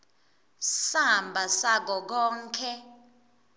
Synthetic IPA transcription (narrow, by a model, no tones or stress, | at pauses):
sambʱasak̬ɔk̬ɔːŋkʰɛ